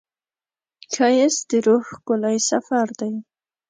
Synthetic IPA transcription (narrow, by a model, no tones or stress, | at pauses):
kʰajesd̪ɪɾohkʊlajsafaɾd̪aj